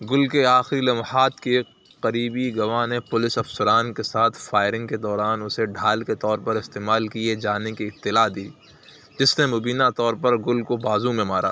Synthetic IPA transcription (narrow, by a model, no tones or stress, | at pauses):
ɡʊlkeaːxɪɾilɐmhaːt̪ke | qɐɾiːbiɡɐʋãnepʊlɪsɐfsɐɾaːnkesaːt̪ʰfaːɪɾɪ̃ŋɡked̪ɔːɾaːnʊseɖʱaːlket̪ɔːɾpɐɾɪst̪eːmaːlkied͡ʒaːnekiɪp̚t̪ːɪlaːd̪iː | d͡ʒɪsnemʊbiːnat̪ɔːɾpɐɾɡʊlkobaːzũmẽmaːɾa̰ː